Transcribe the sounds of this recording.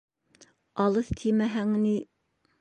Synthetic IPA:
ɑlˠɤθt̪ʰimæɦæŋni

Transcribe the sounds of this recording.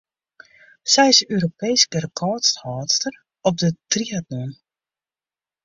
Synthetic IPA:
sɛjɪsøːɾopejskərəkʰɔːtsthɔːtstər | ɔp̚dətriat̚nun

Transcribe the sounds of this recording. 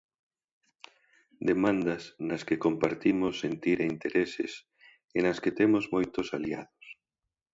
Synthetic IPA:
d̪emãnd̪asnɐskekompaɾt̪imosːent̪iɾeint̪eɾesḛs | enasket̪emozmojt̪osalia̰ðos

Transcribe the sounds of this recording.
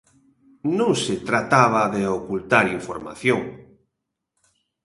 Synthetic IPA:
nõŋset̪ɾat̪aβ̞aðeokult̪aɾiɱfoɾma̰θjoŋ

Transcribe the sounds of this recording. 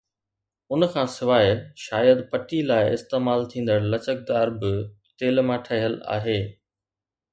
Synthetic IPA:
ʊnkʰãsɪʋaːɪʃaːjəd̪pɐʈilaːɪɪ̰st̪eːmaːlt̪ʰĩːn̆d̪əɽlɐt͡ɕək̚d̪aːɾbɪ | t̪eːlmãːʈʰəɦəla̰ːɦeː

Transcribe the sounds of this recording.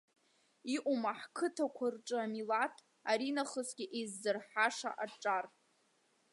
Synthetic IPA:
iʔʷʼumaħkʰɨtʰakʷʰarʈ͡ʂʼɨamilatʰ | aɾinaχəsɡʲiʔezːɨrħaʂa̰ʔaʈ͡ʂʼar

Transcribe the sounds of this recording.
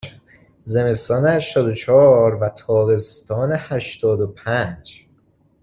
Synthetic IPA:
zemest̪ɒːnehæʃt̪ɒːd̪ot͡ʃʰɒːɾvæt̪ʰɒːbe̞st̪ɒːnehæʃt̪ɒːd̪opʰænd͡ʒ

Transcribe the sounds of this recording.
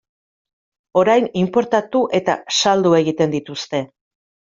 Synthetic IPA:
o̞ɾajnimpo̞ɾt̪at̪uʔe̞t̪a̰sald̪ue̞ɣ̞it̪e̞nd̪it̪ust̪e̞

